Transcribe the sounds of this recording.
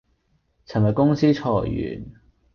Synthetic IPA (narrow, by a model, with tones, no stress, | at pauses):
t͡sʰɐ˨˩nɐ˨jkʊ˥ŋsiː˥t͡ʃʰɔː˨˩jːy̰ː˨˩n